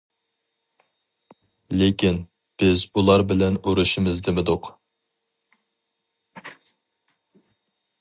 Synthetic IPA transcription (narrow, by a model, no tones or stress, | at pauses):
lekʲin | b̥ɪzulˠɑɾbɪlɛnuɾuʃimɪzd̪ɪmɪd̪ʊq